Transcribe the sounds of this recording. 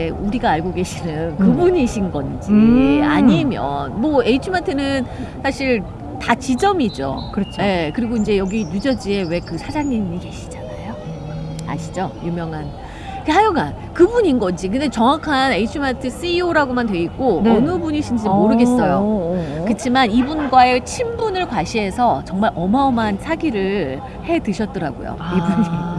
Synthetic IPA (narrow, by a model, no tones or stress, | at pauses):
uɾiɡaːɭɡoɡe̞ɕʰinɯnkɯbuɲiɕʰinɡʌnd͡ʑia̰ɲimjʌ̰nmʌe̞it͡ɕʰumatʰɯnɯnsʰaɕʰiɭ | tat͡ɕid͡ʑʌmid͡ʑo̰kɯɾʌt͡ɕʰoje̞kɯɾiɡoind͡ʑe̞jʌɡinud͡ʑʌd͡ʑie̞we̞kɯsʰad͡ʑaɲimike̞ɕʰi̥d͡ʑanajo | a̰ɕʰi̥d͡ʑojumjʌŋɦan | kʰhajuɡan | kɯbuɲinɡʌnd͡ʑik̬ɯnde̞t͡ɕʌŋwakʰaneit͡ɕʰɯmatʰɯs͈iioɾaɡomantwe̞ik͈oonɯbuɲiɕʰimd͡ʑimoɾɯɡe̞s͈ʌjokɯt͡ɕʰimanibunɡwaet͡ɕʰimbunɯɭkwaɕʰie̞sʰʌt͡ɕʌŋmaɾʔʌmaomansʰaɡiɾɯɭ | he̞tɯɕʰʌt̚t͈ʌɾaɡo̰jo̰ibuɲi